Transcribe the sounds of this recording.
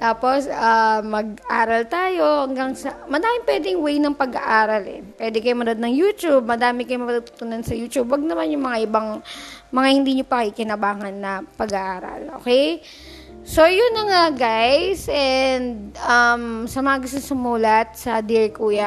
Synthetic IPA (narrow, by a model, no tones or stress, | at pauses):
t̪aːpo̞samɐɡ̚ʔaːɾɐlt̪aːjo̞hɐŋɡɐŋsɐmɐd̪aːmɪmpwɛːd̪ɪŋwɛjnɐŋpɐɡɐ̰ʔaːɾɐlʔɛ̰pwɛd̪ɛkɐjomɐd̪od̪nɐŋjuːt̪ub̚mɐd̪aːmɪkɐjomɐpɐt̪ut̪u̥ːt̪unɐnsɐjuːt͡ʃ̪ubwɐɡ̚nɐmanjʊŋmɐŋaʔɪbaŋmɐŋahɪnd̪iːɲopɐkikɪnɐbaːŋɐnːɐpɐɡɐʔaːɾɐ̰lʔo̰ːkɛj | sojʊnːɐŋaɡajsʔɛnd̪̚ʔɐmsɐmɐŋɐɡʊst̪onsʊmuːlɐt̪̚sɐd̪iɹkuːjɐ